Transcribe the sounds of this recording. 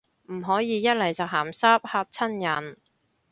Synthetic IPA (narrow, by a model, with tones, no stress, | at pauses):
m̩˨˩ɦɔː˨˥jiː˨˧jɐ˥t̚lɐ˨˩jt͡sɐ˨wɦaː˨˩msaː˥p̚haː˧p̚t͡sʰɐ˥njɐ˨˩n